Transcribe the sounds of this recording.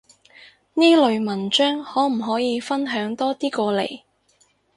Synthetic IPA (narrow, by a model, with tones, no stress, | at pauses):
niː˥lɵ˨ɥmɐ˨˩nt͡ʃœː˥ŋhɔː˨˥m̩˨˩ɦɔː˨˥jiː˨˧fɐ˥nɦœː˨˥ŋt̪ɔː˥t̪iː˥kɔː˧lḛ˨˩j